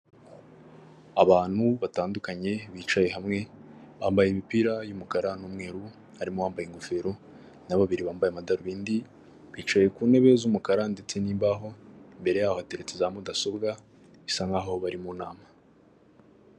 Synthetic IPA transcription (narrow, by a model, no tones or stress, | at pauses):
aβaːn̥huβataːndukaɲe̞βiːt͡ʃaje̞ɦamŋe̞βaːmbajemipiɾajumukaɾanuːmŋe̞ːɾu | haɾimo̞βaːmbajeŋɡofe̞ɾo | naβaβiɾiβaːmbajemadaɾuβiːndi | βiːt͡ʃaje̞kuːne̞βe̞zumukaɾandet͡seniːmbaɦo̞mbe̞ɾe̞jaːhoateɾet͡sezamodaso̞bɡa | isaŋɡaːɦoβaɾimuna̰ːma